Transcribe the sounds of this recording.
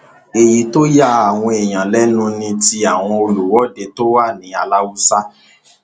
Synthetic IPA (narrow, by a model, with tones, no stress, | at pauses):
e˨ji˨to˦ja˦a˨w̃ɔ̃˧e˨j̃ã˨lɛ˦nũ˦nĩ˧ti˧˦a˨w̃ɔ̃˧o˧lu˨wɔ˨˦˨de˧to˦wa˦˨nĩ˨˦a˨la˦wu˦sa˦